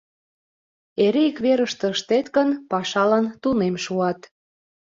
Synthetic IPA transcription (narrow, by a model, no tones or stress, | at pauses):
eɾeikβeɾəʃt̪ĕəʃt̪et̪kə̆npɑʃɑlɑnt̪unemʃuɑt̪